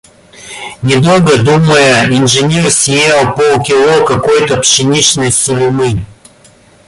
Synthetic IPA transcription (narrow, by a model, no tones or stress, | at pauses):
nʲɪd̪olˠɡəd̪uməjəɪnʐɨnʲersʲjelˠpolˠkʲɪlˠokɐkojt̪əpʂɨnʲit͡ɕnɨjsʊlʲmɨ